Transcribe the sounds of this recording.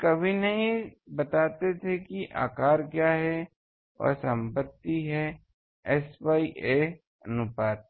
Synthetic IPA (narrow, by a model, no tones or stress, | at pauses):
kɐbʱinɐɦĩbɐt̪aːt̪et̪ʰekiʔa̰ːkaːɾkjaːɦɛ | ɔ̰ːɾsɐ̃mpət̪ːiɦɛ | ɛswaːiʔe | ɐnʊpaːd̪̚